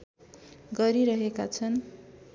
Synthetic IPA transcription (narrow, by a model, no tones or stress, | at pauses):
ɡʌɾiɾʌɦekat͡sʰʌn